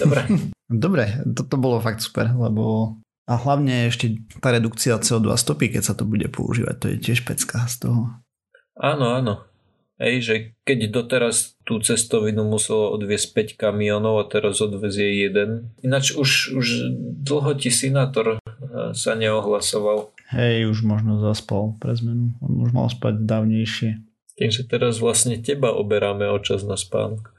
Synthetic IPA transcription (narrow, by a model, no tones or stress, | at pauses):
d̪ɔbɾɛd̪ɔbɾɛt̪ɔt̪ɔbɔlɔfak̚t̪su̥pɛɾlɛbɔ | aɦlaʊɲɛɛɛʃcɛt̪aɾɛd̪ukt͡siaɔt͡sɛɔd̪ʋa̰st̪ɔpikɛcsat̪ɔbuɟɛ̰pʰɔ̰ṵʒḭːʋa̰c̚t̪ɔjɛ̰cɪɛʃpɛt͡skast̪ɔɦɔ | aːnɔaːnɔ | ɦɛ̰jʒɛkɛɟd̪ɔt̪ɛɾast̪ut͡sɛst̪ɔʋinumusɛlɔɔ̰d̪ʋɪɛsc̚pɛckamiɔnɔʊat̪ɛɾazɔd̪ʋɛzjɛjɛd̪ɛninat͡ʃuʃuʒd̪l̩ɦɔcisinaːt̪ɔɾsaɲɛɔɦlasɔʋalhɛjuʒmɔʒnɔzaspalpɾɛzmɛnuɔ̰nuʒma̰lspa̰ɟd̪aːʊɲɛjʃɪɛ | t̪iːmsat̪ɛɾazʋlasɲɛcɛbaʔɔ̰bɛɾaːmɛɔt͡ʃaznaspa̰ːnɔk